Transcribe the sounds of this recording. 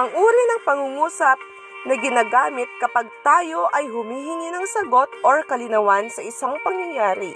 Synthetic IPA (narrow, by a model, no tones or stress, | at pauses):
ʔɐŋʔuːɾɪnɐŋpɐŋuŋuːsɐp̚ | nɐɡɪnaːɡaːmɪt̪̚kɐpaɡ̚t̪aːjo̞ʔɐjɦʊmiːɦɪnɪnɐŋsɐɡo̞t̪ʔoɹkɐlɪnɐwansɐʔɪsaŋpɐŋnɐŋjaːɾɪ̰